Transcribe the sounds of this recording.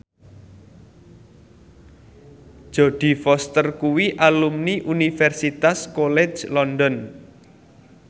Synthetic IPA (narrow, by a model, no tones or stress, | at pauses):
ʒ̥ɔ̤ɖ̪̥i̤fɔst̪ərkuwiʔalumniʔunifɛrsit̪askolɛ̥d͡ʒlɔnd̪ɔn